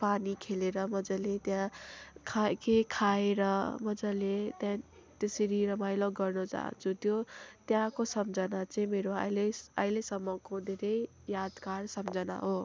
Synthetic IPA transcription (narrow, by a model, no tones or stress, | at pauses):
panikʰeleɾʌmʌd͡zʌlet̪jãkʰakekʰaeɾʌmʌd͡zʌlet̪jã | t̪eseɾiɾʌmajlaɡʌrnʌd͡za̰ɦnt͡sʰut̪jot̪jãkosʌmd͡zʌnat͡saĩmeɾoa̰jlea̰jlesʌmːʌkod̪ʱeɾʌj | jad̪karsʌmd͡zʌna̰ɦo